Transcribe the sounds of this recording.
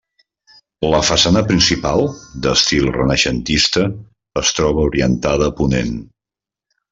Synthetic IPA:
ləfəsanəpɾinsipalˠd̪əst̪ilˠrənəʃənt̪ist̪əː | st̪ɾɔβ̞əuɾiənt̪aðəːpunen

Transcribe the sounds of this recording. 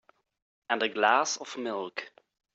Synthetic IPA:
ə̃ndəɡlaːsɔvmɪlˠk

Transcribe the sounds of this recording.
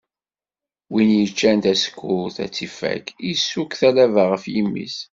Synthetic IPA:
winjət͡ʃːænt̪æsə̥kːʊθæ̰t͡sːifæ̰kisːukθælævaʁəfjimːḭs

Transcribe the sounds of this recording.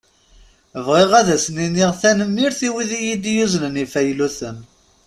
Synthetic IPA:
əvʁeʁæðæsəniniʁθænəmːiɾθiwiðijid̪juznənifæjluθən

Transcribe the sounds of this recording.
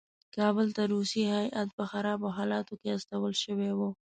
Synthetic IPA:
kɑbəlt̪aɾusihajʔat̪̚pəxaɾɑboɦɑlɑt̪okeast̪awəlʃəwewo

